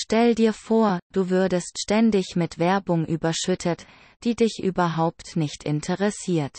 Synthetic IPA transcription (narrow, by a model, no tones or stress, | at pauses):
ʃtɛlədiːɐfoːɐd̥uːvʏɐdəstʃtɛndɪçmɪtv̥ɛɐbʊŋʔyːbɐʃʏtʰət | d̥iːdɪçʔyːbɐɦaʊptnɪçtʰɪ̰ntʰəʁɛsiːɐt